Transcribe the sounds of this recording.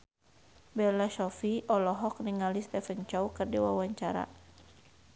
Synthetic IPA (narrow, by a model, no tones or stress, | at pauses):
bɛrlaʃɔfiʔɔlɔɦɔk̚niŋalist̪ɛfənt͡ʃɔwkərdiwa̰waɲt͡ʃaɾa̰